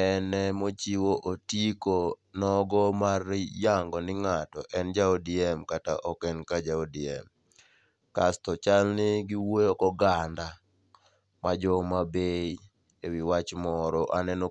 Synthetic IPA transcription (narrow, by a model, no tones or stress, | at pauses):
ɛnɛmot͡ʃiwoʔotikonɔɡɔmarjaŋɡɔnɪŋatɔ̰ʔɛnd͡ʒaodiɛmkata̰ʔɔkɛnkad͡ʒaodiɛ̰m | kastɔt͡ʃalnɪɡɪwojokɔɡanda | mad͡ʒɔmabei | ewɪwat͡ʃmɔɾɔʔanɛno